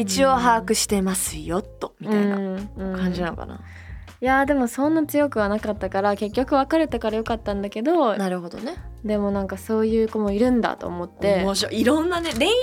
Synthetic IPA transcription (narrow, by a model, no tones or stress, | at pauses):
it͡ɕio̞ɦaːkɯ̟ɕi̥t̪e̞masɨjo̞t̪ːo̞mʲiɯã̟iɴaãkʰãɲ̟d͡ʑinano̰ka̰na̰ | jad̪e̞mo̞sõ̞nːat͡sɨjo̞kɯ̟βanakat̪ːakaɾake̞kʲːo̞kɯ̟βakaɾe̞t̪akaɾajo̞kat̪ːãnd̪ake̞d̪o̞naɾɯ̟ɦo̞d̪oned̪e̞mo̞nãŋkaso̞ːjɯ̟ːko̞mo̞iɾɯ̟̃nd̪a̰t̪o̞̰ːmo̞t̪ːe̞moɕoiɾõnːaneɾe